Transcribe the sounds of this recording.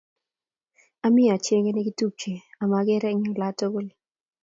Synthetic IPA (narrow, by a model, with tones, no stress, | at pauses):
a˦mɪ˦˨a˨t͡ʃe˦ŋe˦ne˦ɡi˦tu˦p̚t͡ʃe˨a˨ma˨ɡɪ˦ɾɛ˦ɲɔ˨la˦to˦ɡo˦lɪ˦